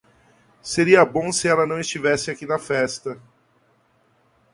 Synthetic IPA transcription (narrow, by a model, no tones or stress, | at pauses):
seɾiɐbõsɪɛlɐnɐ̃w̃ist͡ʃivɛsɪakinɐfɛst̪ɐ